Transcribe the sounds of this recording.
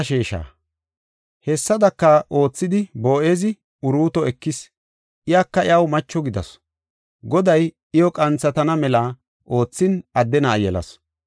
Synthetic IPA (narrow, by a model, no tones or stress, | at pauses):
ʃeːʃa̰ː | hɛsːɐd̪ɐkːɐʔo̞ːt͡sːɪd̪ɪbo̞ːʔeːzɪ | ʊɾuːt̪ɔɛkːɪs | ʔɪjaːkːɐɪjɐwmɐt͡ʃːɔɡɪd̪ɐ̰s | ɡɔd̪ɐj | ɪjɔkʼɐnt͡sːɐt̪ɐnɐmɛla | ʔo̞ːt͡sːɪnɐd̪ːɛnaːjɛlɐ̰s